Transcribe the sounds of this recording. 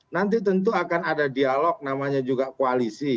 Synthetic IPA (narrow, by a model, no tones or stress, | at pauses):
nant̪̬it̪ənt̪̬uakanadadialɔk̚namaɲad͡ʒuɡakoalisi